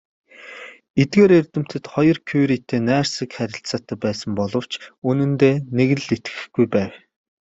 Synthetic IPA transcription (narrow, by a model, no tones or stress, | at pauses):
et̪̚ɡeːɾert̪ɘ̆m̥t̪ɘ̆t̪χɔjɞ̆rkʰujɾiːt̪ʰeːnæːrsə̆kχæɾʲɪ̆ɬt͡saːt̪ʰæːpæːsə̆mpɔɮɞ̆w̥t͡ɕunɘ̆nt̪eːneɣɘ̆ɮet̪ɡɘ̥̆xɡ̥ujpæːw